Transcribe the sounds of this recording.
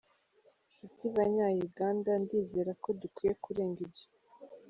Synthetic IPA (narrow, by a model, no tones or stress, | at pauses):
ʃutiβaɲaːjuɡaːndandiːzeːɾako̞dukwiːje̞kuɾe̞ːŋɡibɟa